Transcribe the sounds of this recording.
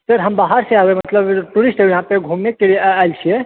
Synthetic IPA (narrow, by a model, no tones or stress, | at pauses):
t̪əɾɦəmbaɦaɾseaʋemət̪ləbʈuɾisʈəʋjɦãpeɡʱomekːeɭiajlt͡ɕʰie